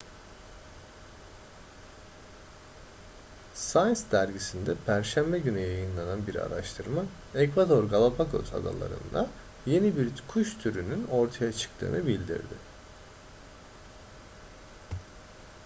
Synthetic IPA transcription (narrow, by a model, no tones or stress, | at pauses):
sajnsd̪æɾɟisind̪ɛpʰæɾʃæmbɛɟynyjajɯnlˠananbiɾa̰ɾaʃt̪ʰɯɾma | ɛkvad̪o̞ɾɡalˠapʰako̰za̰d̪a̰lˠa̰ɾɯ̰nd̪a | je̞nibiɾkʰuʃt̪ʰyɾynyno̞ɾt̪ʰajat͡ʃʰɯ̥kt̪ʰɯ̰ːnɯbilʲd̪ḭɾd̪ɪ̰